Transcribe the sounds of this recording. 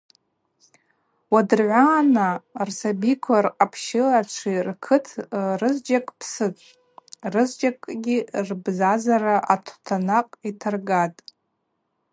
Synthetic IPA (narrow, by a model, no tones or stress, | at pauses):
wadɨrʕʷaːnarsabikʷʰarqʼapʰʃɪlaʈ͡ʂʷʰirkʰɨtʰrɨzd͡ʒakʼpʰsɨtʼ | rɨzd͡ʒakʼɡʲirbzazaraʔatʰtʰanaqʼitʰarɡatʼ